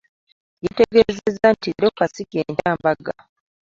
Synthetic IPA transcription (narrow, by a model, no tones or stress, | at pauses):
jeteɡezezantiɾokasikeːntaːmbaɡa